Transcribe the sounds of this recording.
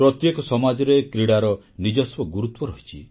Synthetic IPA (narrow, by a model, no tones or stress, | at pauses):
pɾɔt̪jekɔsɔmad͡ʒɔɾekɾiɽaɾɔ | nid͡ʒɔswɔɡuɾut̪wɔɾɔɦit͡ʃʰi